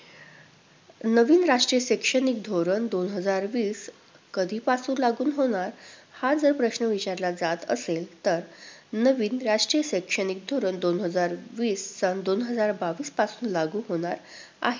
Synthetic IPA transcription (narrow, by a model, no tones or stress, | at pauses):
nəʋiːnɾaʈɾijəɕekʂənik̚d̪ʱoɾənd̪onɦəd͡zaɾʋiːs | kəd̪ʱiːpasuːnlaɡuːnɦoɽ̃aɾhad͡zəɾpɾəɕnəʋit͡ɕaɾlad͡zat̪ə̰selt̪əɾnəʋiːnɾaʂʈɾijəɕekʂənik̚d̪ʱoɾənd̪onɦəd͡zaɾʋiːst͡sənd̪onɦəd͡zaɾbaʋiːspasuːnlaɡuːɦoɽ̃aɾ | a̰ɦe